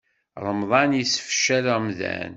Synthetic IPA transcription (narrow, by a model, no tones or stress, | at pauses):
ɾˤəmðˤɑnjəsfʃːæləʁmðæ̰n